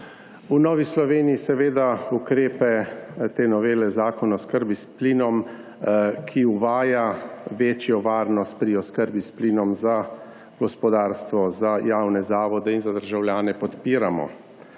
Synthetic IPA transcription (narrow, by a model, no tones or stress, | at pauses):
unɔːʋislɔʋeːnijisɛʋeːd̪aukɾeːpɛt̪eːnɔʋeːlɛzaːkɔnɔskəɾbispliːnɔm | kʰiuʋaːjaʋeːt͡ʃjɔʋaːɾnɔst̪̚pɾiɔskəɾbispliːnɔmza | ɡ̥ɔspɔd̪aːɾst̪ʋɔzajawnɛzaːʋɔd̪ɛinzad̪əɾʒawljaːnɛpɔt̪piːɾamɔ̰